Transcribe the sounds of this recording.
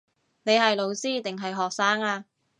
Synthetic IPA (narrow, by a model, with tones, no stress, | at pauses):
ne˨˧jɦɐ˨jlo˨˧wsiː˥t̪ɪ˨ŋɦɐ˨jɦɔː˨k̚saː˥ŋaː˧